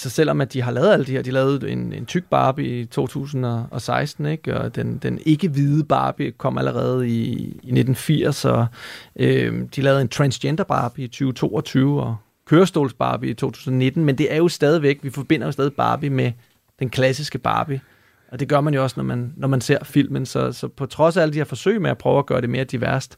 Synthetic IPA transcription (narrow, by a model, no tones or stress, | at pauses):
æsɒ̽sel̰ɒ̽mæd̥iɦɑ̈lɛːʊðˠæld̥iheɐ̰d̥ilɛːʊð̩ˠe̝ne̝nt͡sʰyɡ̥̚b̥ɑ̈ːb̥iit͡sʰo̝̰ːt͡sʰṵːsn̩ɒ̽ɒ̽sɑ̈ɪsd̥n̩eɡ̥ɒd̥end̥ene̝ɡ̥əʋið̩ˠəb̥ɑ̈ːb̥ikʰɒ̽m̰ælʔəʁɛːð̞̩ˠiːne̝d̥n̩fiɐ̰sɒ̽ʔød̥ilɛːʊe̝nt͡sʰʁænsend̥ɐb̥ɑ̈ːb̥iit͡sʰyːʊt͡sʰo̝̰ːɒt͡sʰyːʊɒ̽ | kʰøːɐsd̥o̝ːlsb̥ɑ̰̈ːb̥iit͡sʰo̝̰ːt͡sʰuːsn̩ɒ̽ne̝d̥n̩mend̥e̝ʔæɐjo̝sd̥ɛːð̞ˠiʋeɡ̥̚ʋifɒ̽b̥e̝n̰ɐjo̝sd̥ɛːðˠib̥ɑ̰̈ːb̥ime | d̥enkʰlæsisɡ̥əb̥ɑ̰̈ːb̥i | ʔɒ̽d̥e̝ɡ̥ɶɐmænjo̝ɒ̽snɒmænːɒmænse̝ɐ̰fil̰mənsɒ̽sɒ̽pʰɒ̽t͡sʰʁɒ̽sææləd̥ihæɐfɒ̽sø̰ɪ̰meæpʰʁœːʊæɡ̥ɶːɐɾe̝me̝ːɐd̥iʋæɐ̰sd̥